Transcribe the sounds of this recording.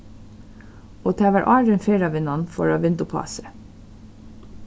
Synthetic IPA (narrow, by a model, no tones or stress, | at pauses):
oːt̪ʰæːʋæɹʔɑːɾənfeːɾɑʋɪnɑnfɔ̰ɹɑːʋɪnd̪ʊpʰɑ̰ːsə